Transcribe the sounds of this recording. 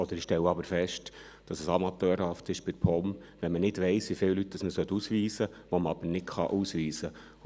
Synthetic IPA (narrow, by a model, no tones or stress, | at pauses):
ɔd̪əɾɪʃtɛwəɑbəɾfɛʃt | d̥ɑsəsɑmɑt̪øːɾhɑftɪʃb̥ɪɾpʰɔmvʋɛnmənɪdvɛɪsʋifɪwlytːəsməsœtːusʋiːsəʋɔməɑb̥ənɪtχɑ̰ʔusʋiːsə